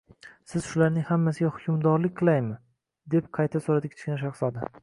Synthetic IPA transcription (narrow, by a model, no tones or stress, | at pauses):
sɪz̥ʃʊlaɾnɪŋhamːasɪɡʲahʊkʲʰʊmd̪ɒɾlɪk̚ʲqʰɨlˠajmɪ | d̪e̞p̚qʰɑjt̪ʰasoɾad̪ɪkʲʰt͡ʃkʲnʃ̬ɑχsɒd̪a